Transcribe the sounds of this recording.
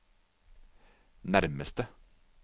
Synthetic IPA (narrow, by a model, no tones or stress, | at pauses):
næɾməst̪ə